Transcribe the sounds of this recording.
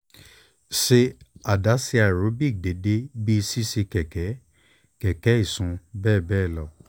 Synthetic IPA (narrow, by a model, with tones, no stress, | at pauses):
ʃe˧a˨da˨˦si˧a˨ɾo˨˦bi˦˨de˨˦de˦bi˦i˧si˦se˧kɛ˨kɛ˨˦ | kɛ˨kɛ˨˦i˦˨sũ˧˦bɛː˦˨bɛː˦˨lɔ˨